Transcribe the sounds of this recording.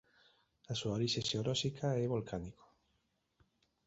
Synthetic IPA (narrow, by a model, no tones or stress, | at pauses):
asuaoɾiʃeʃeoɾɔʃikʰaɛβolkʰaniko̥